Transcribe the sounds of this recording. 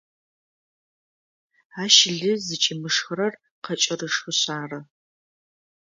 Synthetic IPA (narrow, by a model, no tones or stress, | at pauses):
aːʃɪɮɨzɨt͡ʃʼɪmɨʂxɨɾɐr | qɐt͡ʃʼɐrɨʂxɨɕaːrɐ